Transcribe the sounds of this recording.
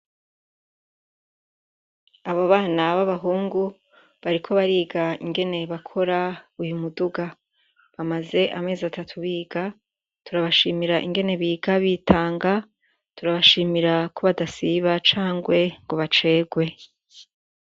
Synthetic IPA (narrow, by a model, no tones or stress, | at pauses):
aβoβaːnaβaβaɦuːŋɡu | βaɾikʰo̞βaɾiːɡaḭŋɡe̞ne̞βakʰo̞ɾaujumuduɡa | βamaze̞ʔame̞ːzatatʰuβiːɡ̥a | tuɾaβaʃiːmiɾaʔḭŋɡe̞ne̞βiːɡaβiːtʰaːŋɡa | tuɾaβaʃiːmiɾakʰoβadasiβat͡ʃaːŋɡwe̞ŋɡo̞βat͡ʃe̞ːɡwe̞